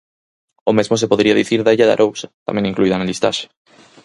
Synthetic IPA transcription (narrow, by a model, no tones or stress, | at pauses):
omezmosepoðɾiaðiθiɾðaeʎaða̰ɾʔowsat̪a̰mẽŋĩŋkluiðanelist̪a̰ʃe̥